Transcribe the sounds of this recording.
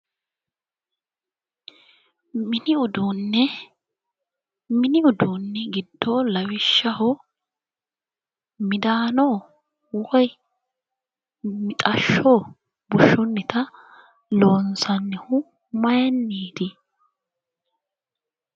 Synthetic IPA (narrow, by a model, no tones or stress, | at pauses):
mɪnɪʊd̪ʊnːɛ | mɪnɪʊd̪unːɛɡɪd̪ːoːlɐwɪʃːɐhɔ | mɪd̪aːnoː | wɔj | mɪt̪ʼɐʃːoː | bʊʃːʊnːɪt̪ɐ | lo̞ːnsɐnːɛhʊ | mɐjɛnːiːd̪ɪ